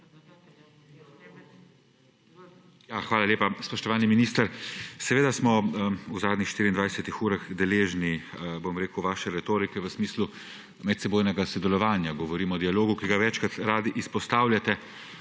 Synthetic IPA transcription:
jaxʋaːlalʲjeːpaspɔʃt̪ɔʋaːlniminist̪əɾsɛʋeːd̪asmɔuzaːd̪nixʃt̪iːɾiːnd̪ʋajsɛt̪ixuːɾaɣd̪ɛleːʒnibomɾeːkuwʋaːʃɛɾɛt̪oːɾikɛʋəsmiːslu | mɛt̪sɛboːjnɛɡasɔd̪ɛlɔʋaːnjaɡɔʋɔɾiːmɔd̪ialoːɡukiɡaʋɛt͡ʃkɾat̪ɾaːd̪iʔispɔst̪aːwljat̪ɛ

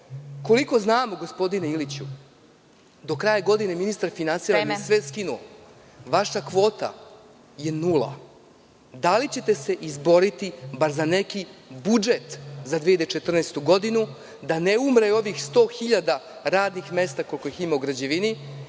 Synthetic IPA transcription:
ko̞liko̞znaːmoɡo̞spo̞d̪ineilit͡ɕu | d̪o̞kɾajaɡo̞d̪ineminist̪aɾfinansiɾanesʋeskinuo | ʋaʃakʋo̞ːt̪a̰ | je̞nulˠa̰ | d̪alit͡ɕe̞t̪e̞se̞ʔizbo̞ɾit̪ibaɾzane̞kibud͡ʒet̪zad̪ʋiːad̪et͡ʃet̪r̩neːst̪uɡo̞d̪inu | d̪aneumɾeo̞ʋixst̪o̞ːxiʎad̪a | ɾaːd̪nixme̞st̪ako̞lˠko̞jiximauɡɾad͡ʑeʋini

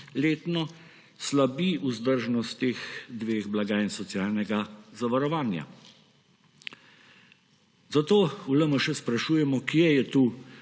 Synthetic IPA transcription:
leːt̪nɔ | slabiuzd̪əɾʒnɔst̪ːeːxd̪ʋeːɣblaɡaːinsɔtsjaːlnɛɡazaʋaɾɔʋaːnja̰ | zat̪oːuləməʃɛspɾaʃuːjɛmɔkjɛjɛt̪uː

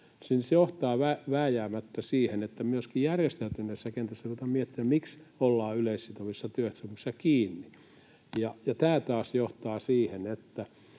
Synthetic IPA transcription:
sinsjoht̪ɑːʋæʋæːjæːmæt̪ːæsiːhenet̪ːæmyøskijærjest̪eyt̪ynːeisːækent̪æsːæt̪uot̪ɑmiet̪ːiæmiksolːɑːyleissit̪oʋisːɑt̪yøt̪symoksːɑkiːnːi | jɑjɑt̪æːt̪ɑːsjoht̪ɑːsiːhenet̪ːæ

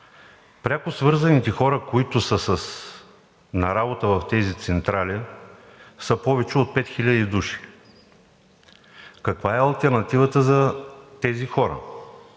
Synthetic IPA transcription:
pɾʲakʊsvɤɾzɐnit̪ɛxɔɾəkoit̪ʊsəsɐs | nɐɾabot̪əvɐft̪ɛzit̪sɛnt̪ɾalʲi | səpɔvɛt͡ʃɛot̪̚pɛt̪xilʲɐd̪id̪uʃi̥ | kɐkvaɛɐlˠt̪ɛɾnɐt̪ivət̪əzɐt̪ɛzixɔɾə̰

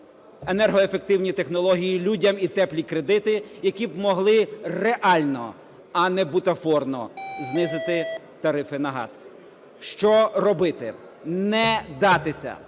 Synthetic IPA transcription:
enɛrɦɔefe̞k̚t̪ɪwnʲit̪e̞xnɔlˠɔɦʲijilʲudʲɐmit̪ɛplʲikɾe̞d̪ɪt̪ɪjɐkʲibmɔɦlˠɪreʔɑlʲnɔ̰ | ɐnɛbut̪ɐfɔrnɔznɪzɪt̪ɪ | t̪ɐɾɪfɪnɐɦɑ̰z̥ | ʃt͡ʃɔrɔbɪt̪ɪ | nɛd̪ɑt̪ɪsʲɐ̰

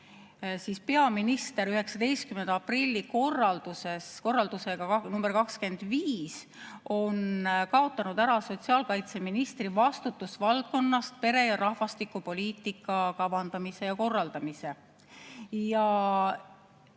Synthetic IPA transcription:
siːspe̞ɑminist̪e̞ɾyɦe̞ksɑd̪e̞jst̪̚kymend̪̥ɑprilʲːiko̞rːɑld̪̥use̞sko̞rːɑld̪̥use̞ɡ̥ɑɑnumb̥e̞rkɑkske̞nd̪̥viːs | o̞nkɑot̪ːˑɑnud̪æɾɑso̞t̪siɑːlkɑjt̪se̞minist̪rivɑst̪ut̪ːˑusvɑlt̪̚ko̞nːɑst̪̚pe̞ɾe̞jɑɾɑhvɑst̪ikːˑupo̞lʲiːt̪ːˑikːˑɑkɑvɑnd̪̥ɑmise̞jɑko̞rːɑld̪̥ɑmise̞ | jɑ

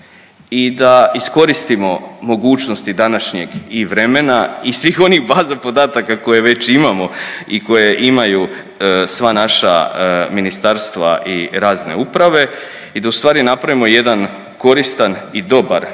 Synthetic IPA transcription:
id̪aisko̞ɾist̪imo̞mo̞ɡuːt͡ʃnost̪id̪anaʃɲe̞ɡiʋɾe̞menaisʋiːxo̞nixbaːzapo̞d̪aːt̪akako̞jeʋe̞t͡ɕimamo̞iko̞je̞ʔimaju | sʋanaʃa̰minist̪aɾst̪ʋa̰ʔiɾaːzne̞̰upɾaʋe̞ | id̪aust̪ʋaːɾinapɾaʋimo̞je̞d̪an | ko̞ɾist̪anid̪o̞baɾ

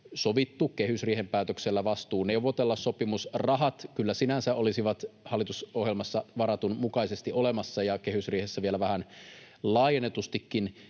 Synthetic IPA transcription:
soʋit̪ːukehysriːhempæːt̪økselːæʋɑst̪uːneuʋˑot̪elːɑssopimusrɑɦɑt̪kylːæsinænsæʔolisiʋɑt̪hɑlːˑit̪usohjelmɑsːɑʋɑɾɑt̪unmukɑisest̪iʔolemɑsːɑjɑkehysriːhesːæʋielæʋæhæn | lɑːjenet̪ust̪ikːin

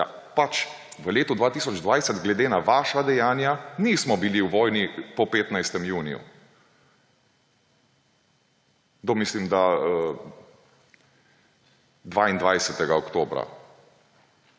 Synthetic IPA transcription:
ja̰ | pat͡ʃ | ʋəleːt̪ud̪ʋaːt̪isɔd͡ʒd̪ʋajsɛt̪ɡlɛd̪eːnaʋaːʃad̪ɛjaːnjanismɔbiliwʋɔːjnipɔpeːt̪najst̪ɛmjuːnḭjṵ | d̪omislimd̪aə | d̪ʋaind̪ʋajsɛt̪ɛɡaɔkt̪oːbɾa̰

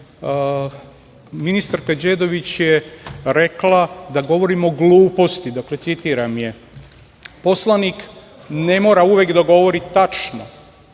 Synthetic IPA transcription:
minist̪aɾkad͡ʑed̪o̞ʋit͡ɕjeɾe̞klad̪aɡo̞ʋo̞ɾimo̞ɡlˠuːpo̞st̪id̪akle̞t̪sit̪iːɾamje̞ | po̞slˠanik | ne̞mo̞ːɾauʋekd̪aɡo̞ʋo̞ɾit̪t̪ːat͡ʃno̰

